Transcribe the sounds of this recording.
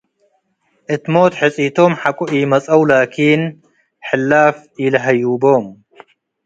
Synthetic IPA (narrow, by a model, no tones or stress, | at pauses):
ʔɨt̪moːt̪ħɨt͡sʼit̪ʰomħakʷʼʊʔiːmɐt͡sʼɐwlaːkʰiːn | ħɨlːaːfilɐɦɐjuːboːm